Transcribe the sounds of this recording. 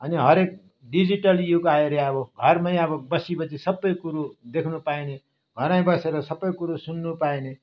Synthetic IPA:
ʌniɦʌɾek̚ | ɖid͡ziʈʌljukaeɾeaboɡʱʌrmʌjʌbʌbʌsibʌt͡sisʌbːʌjkuɾud̪ekʰnupaine | ɡʱʌɾaj̃bʌseɾʌsʌbːʌjkuɾusunːupaine

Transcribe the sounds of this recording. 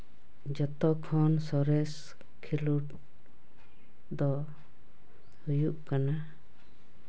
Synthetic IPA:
d͡ʒɔt̪ɔkʰɔnsɔɾɛs | kʰiluʈ | d̪ɔ | hujuʔkana

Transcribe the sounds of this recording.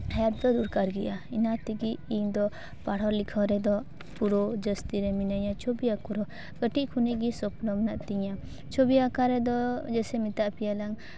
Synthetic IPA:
hjat̚d̪ɔd̪uɾkaɾɡɛʔainat̪iɡiːɲd̪ɔ | paɽ̤ɔɾlikʰɔɾɛd̪ɔ | puɾod͡ʒəst̪iɾɛminaɲat͡ʃʰobiakɔɾɔ | kəʈiʔkʰuniʔɡisɔplɔmnaʔt̪iɲa | t͡ʃʰobiakaɾɛd̪ɔd͡ʒɛsɛmit̪aʔpijalaŋ

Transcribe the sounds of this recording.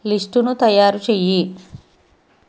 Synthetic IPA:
lisʈunut̪ɐjaːɾut͡ʃeːji

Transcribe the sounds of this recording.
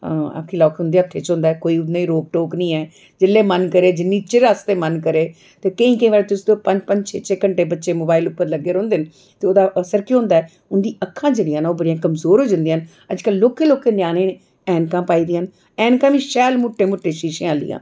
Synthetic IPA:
aa̰ːkʰiːlɔːkɦʊ̃nd̪iːəkʰːeːt͡ʃɦʊ̃nd̪aːɛːkoːiːʊnẽːiɾoːk̚ʈoːknĩːɛː | d͡ʒɪlːeːmənkəɾeːd͡ʒɪnːiːt͡ʃɪɾaːst̪eːmənkəɾeː | t̪eːkəĩːkəĩʋaːɽeːt̪ʊsd̪eoːpəɲd͡ʒpə̃ɲd͡ʒt͡ʃʰeːt͡ʃʰeːkəɳʈeːbətːʃeːmoːbaːɪlʊpːəɾləɡːeːɾõːnd̪eːn | t̪eːoːd̪aːʔəsəɾkjõɦʊ̃nd̪aːɛ | ʊnd̪iːəkʰːãːd͡ʒeːɽijãːnaːoːbəɽijãːkəmzoːɾɦoːd͡ʒãːnd̪iːən | əd͡ʒkəlːoːkeːloːkeːnjaːneːne | ɛːnkãːpaːiːd̪iːəːn | ɛːnkãːʋĩːʃɛːlmʊʈːeːmʊʈːeːʃiːʃẽːaːlḭːã̰ː

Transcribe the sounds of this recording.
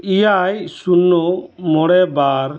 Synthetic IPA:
ijajsunːɔmɔɽɛbaɾ

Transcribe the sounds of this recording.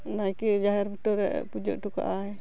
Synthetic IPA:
najkid͡ʒaɦɛɾbiʈɔɾɛ̰ʔpud͡ʒɔ̰ʔʈuka̰ʔaɛ

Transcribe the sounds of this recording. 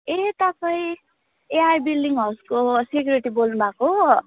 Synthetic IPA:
et̪apʌĩ | eajbilɖiŋʌskosekjoɾiʈibolnubʱako

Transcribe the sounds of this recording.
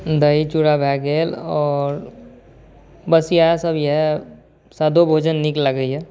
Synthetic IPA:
d̪əit͡ʃuɽabʱɛːɡeːlɔːɾ | bəsjasəbjɛɦɛ | saːd̪ʱobʱoːd͡ʒənːɪklaɡəiɦɛː

